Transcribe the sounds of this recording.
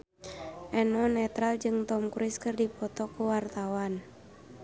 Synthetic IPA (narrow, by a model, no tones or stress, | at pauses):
ʔɛnɔnɛt̪ɾald͡ʒɨŋt̪ɔmkuɾɪskɨrdipɔt̪ɔkuwart̪awan